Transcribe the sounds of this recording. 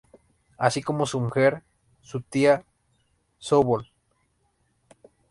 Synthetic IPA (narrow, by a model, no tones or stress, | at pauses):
asikomosumuxeɾ | sut̪ia | soβol